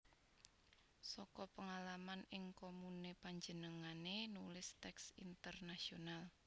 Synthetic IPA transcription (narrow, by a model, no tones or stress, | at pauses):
sɔkɔpəŋalamanɪŋkomunepaɲd͡ʒənəŋanenulɪst̪ɛksḭnt̪ərnasional